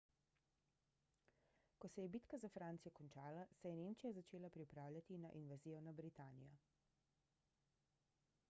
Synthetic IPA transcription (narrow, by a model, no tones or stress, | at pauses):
kɔsɛjɛbiːt̪kazafɾaːnt̪sijɔkɔnt͡ʃaːlasɛjɛneːmt͡ʃijazat͡ʃeːlapɾipɾaːwlʲjat̪inaʔinʋaziːjɔnabɾit̪aːnḭjɔ